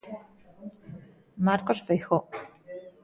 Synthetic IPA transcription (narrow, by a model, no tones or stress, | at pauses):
maɾkosfejxo